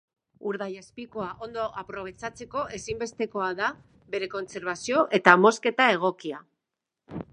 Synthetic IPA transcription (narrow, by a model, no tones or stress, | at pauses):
uɾðajaspiko̞aʔo̞nd̪o̞ʔapɾo̞β̞e̞t͡sat͡se̞ko̞ʔe̞simbe̞st̪e̞ko̞aða | βe̞ɾe̞ko̞nse̞ɾβ̞asio̞ʔe̞t̪amo̞ske̞t̪ae̞ɣ̞o̞kia